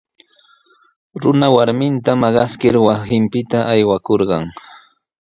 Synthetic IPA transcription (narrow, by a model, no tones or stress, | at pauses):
ɾʊnawaɾmɪnt̪amɑɢɑskɪɾwasɪmpɪt̪aʔajwakoɾɢɑŋ